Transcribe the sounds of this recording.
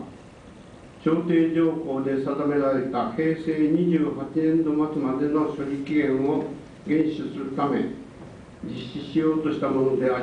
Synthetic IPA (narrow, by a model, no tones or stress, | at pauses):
ɕo̞ːt̪e̞ːd͡ʑo̞ːho̞ːd̪e̞sad̪ame̞ɾaɾe̞t̪ahe̞ːse̞ːɲ̟iʑɨːɦat͡ɕinẽ̞nd̪o̞mat͡sɨmad̪e̞no̞ɕoɾʲikʲiɡẽ̞ɰ̃o̞ | ɡẽ̞ɰ̃ɕɨsɨɾɯ̟t̪ame̞̰ | d͡ʑiɕːiɕijo̞ːt̪o̞ɕi̥t̪amo̞no̞d̪e̞a